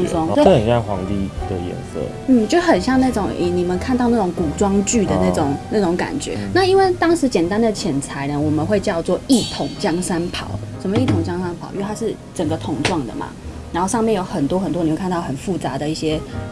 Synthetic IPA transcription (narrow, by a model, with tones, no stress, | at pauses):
ʈ͡ʂwɑ˥ŋ˥ə˨˩ɑ˥˩xwɑ̰˧˦ŋt̪ḭ˥˩d̪̥ə̰˨jɛ̰˧˥nsə̰˥˩ | n̩˥˩t͡ɕjxə˨˩nɕjɑ˥˧ŋna˥˩ʈ͡ʂʊ˨˩ŋʔɛ̰˨˩ni˨˩mə˦nkʰa˥˧nt̪ɑ˥˧ʊna˥˩ʈ͡ʂʊ˨˧˥ŋku˨˩ʈ͡ʂwɑ˥ŋt͡ɕy˥˩d̪ə˨na˥˩ʈ͡ʂʊ˨˩˦ŋna˥˩ʈ͡ʂʊ˨˧˥ŋka̰˨˩nt͡ɕɥɛ̰˧˦na˥˩i˥nwe˥˩ɪt̪ɑ˥ŋʂɻ̩˧˥t͡ɕjɛ˨˩nt̪a˥nd̪ə˨t͡ɕʰjɛ˨˩nt͡sʰa˧˦ɪnə˨wɔ˨˩mə˦nxwe˥˧ɪt͡ɕjɑ˥˧ʊt͡swɔ˥˨i˥˩t̪ʰʊ˨˩˦ŋt͡ɕjɑ˥ŋʂa˥npʰɑ̰˨˦ʊʂə˨˩mə˩˦i˥˩t̪ʰʊ˨˩ŋt͡ɕjɑ˥ŋʂa˥npʰɑ˨˩ʊʔt̪ʰa˥ʂɻ̩˥˩ | ʈ͡ʂə˨˩ŋɡə˦t̪ʰʊ˨˩ŋʈ͡ʂwɑ˥˩ŋd̪ə̰˩ma̰˨˩ | a˨˧nxo˥˧ʊʂɑ˥˧mjɛ˥˩njo˧˥ʊxə˨˩nt̪wɔ˥xə˨˩nt̪wni˨˩wk̪ʰɑ˥˩xə˨˩nfu˥˩t͡sa˧˦d̪ə˨i˥˩ɕjɛ˦